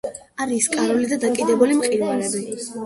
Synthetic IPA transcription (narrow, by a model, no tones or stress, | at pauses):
aɾiːskʼaɾɔlid̪ad̪akʼid̪ɛbulimqʼiɾvalɛbi